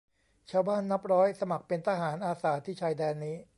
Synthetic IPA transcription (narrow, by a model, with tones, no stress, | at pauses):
t͡ɕʰaː˧wbaː˥˩nːa˦˥p̚ɾɔː˦˥jsa˧ma˨˩k̚pe˧nt̪ʰaː˧ɦaː˩˦nʔaː˧saː˩˦t̪ʰiː˥˩t͡ɕʰaː˧jdɛː˧nːiː˦˥